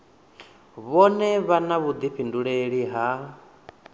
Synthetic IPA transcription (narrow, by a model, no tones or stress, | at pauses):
βɔnɛβanaβud̪ipʰinduɺeɺiɦa